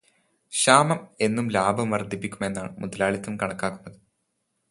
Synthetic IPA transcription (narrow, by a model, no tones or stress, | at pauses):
ɕaːmɐme̞nːumlaːbʱɐmʋɐrd̪ʱipːikʲːume̞nːa̰ːɳɨmuðɐlaːɭit̪ːumkɐɳɐkːaːkːunːɐðɨ